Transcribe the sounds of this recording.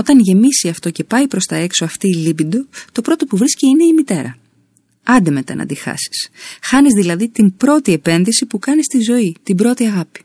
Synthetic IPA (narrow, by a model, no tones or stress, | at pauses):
o̞t̪ɐnʝe̞misiɐft̪o̞ce̞pɐipɾo̞st̪ɐe̞ksoɐft̪iːlibind̪o̞t̪o̞pɾo̞t̪o̞puvɾisciine̞imit̪e̞ɾɐ̰ | ɐnd̪eme̞t̪ɐ̰nʔɐ̰d̪ixɐ̰si̥sxɐnizðilɐðit̪imbɾo̞t̪ie̞pe̞nðisipukɐnist̪izo̞it̪ibɾo̞t̪iɐɣɐpi̥